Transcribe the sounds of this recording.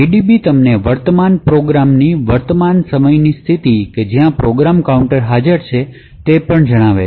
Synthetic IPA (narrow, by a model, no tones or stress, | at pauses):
iɖibit̪əmneʋəɾt̪əmanpɾoɡɾamniʋəɾt̪əmansəməjnist̪ʰit̪iked͡ʒjãpɾoɡɾamkauɳʈəɾɦad͡ʒəɾt͡ʃʰe | t̪epəɳd͡ʒəɽ̃aʋḛ